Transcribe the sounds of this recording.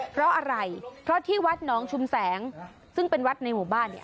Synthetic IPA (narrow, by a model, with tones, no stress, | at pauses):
pʰɾɔ˦˥ʔa˧ɾa˧jpʰɾɔ˦˥t̪ʰiː˥˩wa˦˥t̪̚nɔː˩˦˥ŋt͡ɕʰu˧msɛː˩˦ŋ | sɯ˥˩ŋpe˧nwa˦˥t̪̚na˧jmuː˨˩baː˥˩nːi˥˩ɐ